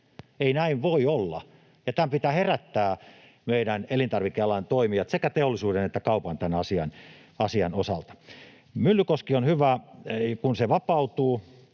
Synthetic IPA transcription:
einæiʋʋoiolːɑ̰ | jɑt̪æmpit̪æːheræt̪ːæː | meiɾænelint̪ɑrʋikːeɑlɑnt̪oimiɑt̪sekæt̪eolːisuːdenet̪ːækɑupɑnt̪ænɑsiɑ̰n | ɑsiɑ̰nosɑ̰lt̪ɑ̥ | mylːykoskionhyʋækunseʋɑpɑut̪uː

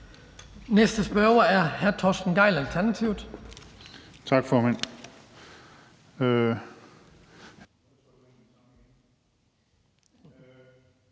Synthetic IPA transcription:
nesd̥əsb̥ɶɐwɐæɐhæɐt͡sʰɒːsd̥n̩ɡ̥ɑ̈ɪ̰lælt͡sʰæɐnæt͡sʰiʊ̰d̥ | t͡sʰɑ̈ɡ̥fɒːmæn̰

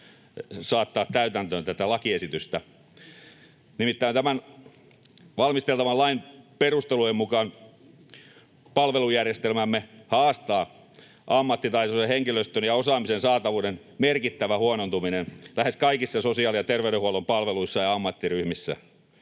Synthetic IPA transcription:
sɑːt̪ːɑːt̪tæyt̪ænt̪ønt̪æt̪ælɑkiesit̪yst̪æ | nimit̪ːæint̪æmæn | ʋɑlmist̪elt̪ɑʋɑlɑimperust̪elujemmukɑːn | pɑlʋelujærjest̪elmæmːehɑːst̪ɑː | ʔɑmːɑt̪ːit̪ɑit̪oseheŋkiløst̪ønjɑosɑːmisensɑːt̪ɑʋuːden | merkit̪ːæʋæhuonont̪uminenlæheskɑikisːɑsosiɑːlijɑt̪erʋey̆ɾehuolompɑlʋeluisːɑjɑɑmːɑt̪ːiryhmisːæ̰

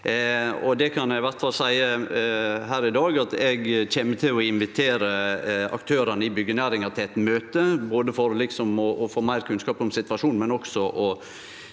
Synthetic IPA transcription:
ɔd̪ɛkʰɑnæɪʋæɾt̪fɑlsæɪə | ɦæːɾɪd̪ɑːɡɑt̪ɛɡçɛmːət̪ʰɪlɔɪnʋɪt̪ʰeːɾəɑ̰kt̪ʰøːɾɑnəɪbʏɡːənæːɾɪŋɑɾt̪ʰɪɛt̪møːt̪əboːd̪əfɔɾlɪksɔmɔʔːfoːmæɪɾkʰʉnskɑːpɔmsɪt̪ʋɑʂuːnmɛnɔksɔʔɔ

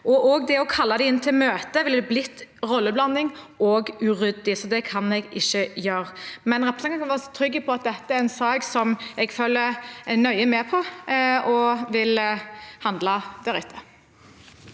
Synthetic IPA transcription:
ʔɔʔɔɡ̚d̪ɛɔkʰɑlːɑd̪ɛɪnːət̪ʰɪlmøːt̪əʋɪləd̪ɛblɪt̪ːʁɔlːəblɑnːɪŋoːɡʉɾʏd̪ɪsɔd̪ɛkʰɑnɛɡɪʃːəjøːɾmɛnɾɛpɾəsɑŋk̪ɑkɑnʋɑːɾsɔ̥t̪ʰɾʏɡːəpʰɔɑt̪̚d̪ɛt̪ːəæɾɛnsɑːksɔmɛɡføːlːəɛnœʏəmɛːpʰɔɔʋɪlhɑnd̪lɑd̪̥æɾɪt̪ʰːə̥

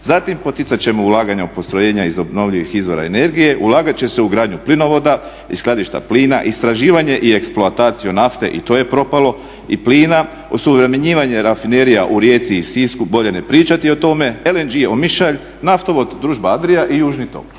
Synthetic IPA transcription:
zat̪impo̞t̪it̪sat͡ɕe̞moulˠaːɡaɲaupo̞st̪ɾo̞je̞ːɲaizo̞bno̞ʋʎiʋixizʋo̞ɾa̰ene̞ɾɡije̞ʔulˠaːɡat͡ɕe̞seuɡɾaːd̪ɲuplino̞ʋo̞d̪a | isklˠad̪iʃt̪a̰pliːnaʔist̪ɾaʒiːʋaɲe̞ʔie̞ksploat̪aːt̪sijunaft̪e̞̰ʔḭt̪o̞ːje̞pɾo̞palo̞ | ipliːna | osuʋɾe̞meɲiːʋaɲe̞ɾafine̞ɾijaʔuɾje̞ːt̪siːsiskubo̞ʎe̞nepɾiːt͡ɕat̪io̞t̪o̞me̞elend͡ʒiomiʃaʎ | naft̪o̞ʋo̞d̪d̪ɾuːʒbaad̪ɾijaʔijuːʒnit̪o̰k

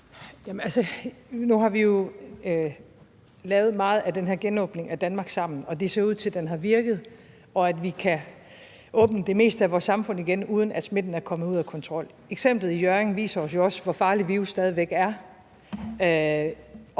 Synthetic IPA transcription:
jæmənælsənuɦɑ̈ʋijo̝ | lɛːʊð̞̩ˠmɑ̈ːð̞̩ˠæd̥enɦæɐ̰ɡ̥enɔ̽ːb̥ne̝ŋæd̥ænmɑ̈ːɡ̥sɑ̈m̰n̩ɒ̽d̥e̝se̝ɐuð̞̰ˠt͡sʰe̝ld̥enɦɑ̈ʋiɐɡ̥ð̞̩ˠ | ɒ̽æd̥ʋikʰæ | ʔɔ̽ːb̥nəd̥e̝me̝̰ːsd̥əæʋɒːsɑ̈mfɔ̽n̰iɡ̥enuːð̞ˠn̩æd̥sme̝d̥n̩æɐkʰɒ̽məð̩uð̰ˠækʰɒ̽nt͡sʰʁɒ̽l̰ | eɡ̥sem̰b̥lð̩ˠijøɐeŋʋḭːsɐɒ̽s̬jo̝ɒ̽sʋɒfɑ̈ːliʋiusd̥ɛːð̞ˠiʋeɡ̥æɐ

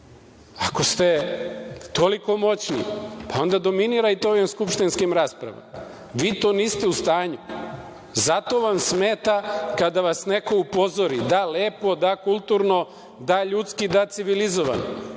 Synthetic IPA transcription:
ako̞st̪e̞ | t̪o̞liko̞mo̞t͡ɕnḭpao̞nd̪ad̪o̞miniɾait̪ooʋimskupʃt̪inskimɾaːspɾa̰ʋa̰m | ʋiːt̪o̞ːniːst̪eust̪aːɲu | zat̪o̞ʋamsmeːt̪akad̪aʋasneko̞upo̞zoɾid̪aleːpo̞d̪akulˠt̪uɾno̞ | d̪aʎut̪skid̪at̪siʋilizoʋa̰no

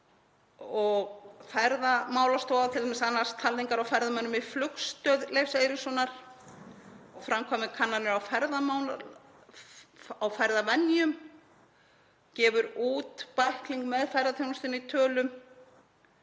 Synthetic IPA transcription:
ɔɣfaɾðamaːwlast̪oːwðat̪ʰɪlʰɛmɪsanːḁst̪ʰalðiŋkaɾawfɛɾðamɛœnːʏmiflʏkst̪œðlejfsejɾɪsɔnaɾ̥ | ɔfɾamkʰɔmɪkʰanːanɪɾawfɛɾðamawn | awfɛɾðavɛnjʏm | cɛːvʏɾuːt̪pajhkliŋkmɛðfajɾðat̪ʰownɔst̪ɪnːɪit̪ʰœːlʏm

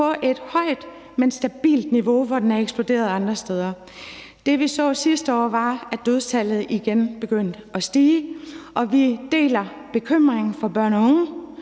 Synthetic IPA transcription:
pɒ̽ʔe̝d̥hɒ̽ɪ̰d̥ | mensd̥æb̥ḭːld̥niʋo̝ʋɒd̥enæɐeɡ̥sb̥lo̝d̥e̝̰ːɐð̞̩ˠɑ̈nd̥ʁɐsd̥eð̞ˠɐ | d̥e̝ʋisɒ̰ːsisd̥əɒ̰ːʋɑ̈æd̥øð̞ˠt͡sʰælð̞̩ˠiɡ̥enb̥e̝ɡ̥øn̰d̥ɒ̽sd̥iːʔɒ̽ʋid̥e̝̰ːlɐ | b̥e̝kʰøm̰ʁeŋn̩fɒ̽b̥ɶɐ̰nɒɔ̽ŋə

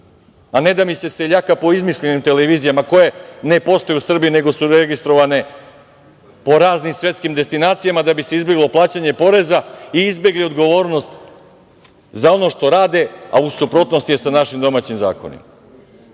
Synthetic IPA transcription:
ane̞d̪amise̞se̞ʎakapo̞izmiʃʎenimt̪e̞leʋiːzijamako̞je̞ne̞po̞st̪ojeusr̩bijine̞ɡo̞suɾeɡist̪ɾo̞ʋane̞ | po̞ɾaːznimsʋje̞t̪skimd̪e̞st̪inaːt̪sijamad̪abise̞izbe̞ɡlo̞plˠaːt͡ɕaɲe̞po̞ɾe̞zaiizbje̞ɡlio̞d̪ɡo̞ʋo̞ːɾno̞st̪ | zao̞no̞ʃt̪o̞ɾaːd̪e̞a̰usupɾo̞t̪nost̪ije̞sanaʃimd̪o̞maːt͡ɕimza̰ːkonḭm

